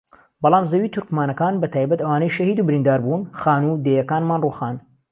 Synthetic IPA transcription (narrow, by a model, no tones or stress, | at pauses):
bɑlˠaːmzɐwiːt̪ʰuɾkmaːnɐkaːnbɐt̪ʰaːjbɐt̪ɐwaːnɐjʃɐhiːd̪uːbɪɾiːnd̪aːɾbuːnxaːnud̪eːjɐkaːnmaːnruːxaːn